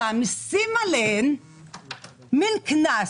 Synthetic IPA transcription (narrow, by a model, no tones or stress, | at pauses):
amisimalen | minkʰina